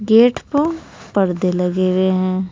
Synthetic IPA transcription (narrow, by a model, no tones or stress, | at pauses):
ɡeːʈʰpə | pɐɾd̪elɐɡeːweɦɛ̃ː